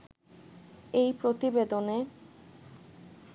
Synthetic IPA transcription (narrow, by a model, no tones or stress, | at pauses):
ejpɾot̪ibed̪one